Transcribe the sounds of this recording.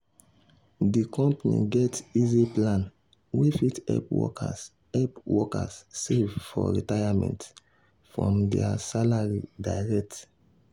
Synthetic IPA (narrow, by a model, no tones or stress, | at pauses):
dikɔ̃mpanḭɡɛtiziplãn | wefitɛ̰pwɔ̰ka̰ | ɛpwɔka̰ssevfɔ̰ɹitajamɛ̰̃nt | fɹɔ̰̃mdɛ̰asalaɹidajɹɛk̚t